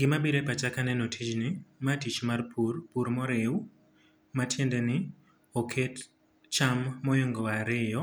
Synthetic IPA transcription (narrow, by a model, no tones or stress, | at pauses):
ɡɪmabiɾepat͡ʃakanɛnotʰit͡ʃnɪmatit͡ʃmarpurpuɾmɔɾew | matjɛndɛnɪ | ɔkʰet | t͡ʃamːɔjɔŋɡɔwaɾɪjɔ